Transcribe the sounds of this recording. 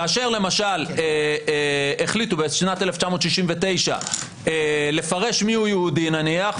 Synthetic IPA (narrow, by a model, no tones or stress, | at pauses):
kaːʃe̞ʁle̞maʃale | eχlit̪ubeʃnat̪eleft͡ʃamot̪ʃiʃimvet̪e̞jʃa̰ | ele̞faʁe̞ʃmiujeud̪inaniaχ